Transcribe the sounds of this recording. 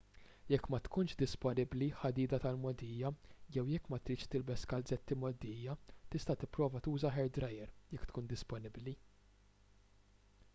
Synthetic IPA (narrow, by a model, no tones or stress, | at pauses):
jɛkːmɐt̪kʊnʃd̪ɪspɔnɪbliħɐd̪iːd̪ɐt̪ɐlmɔd̪iːjɐjɛwjɛkːmɐt̪ɾiːt͡ʃʃt̪ɪlbɛskɐlzɛt̪ːimɔd̪iːjɐt̪ɪst̪ɐt̪ɪpːɾɔːvɐt̪uːzɐħɛɾd̪ɾɐjɛɾjɛkːt̪kuːnd̪ɪspɔnɪbli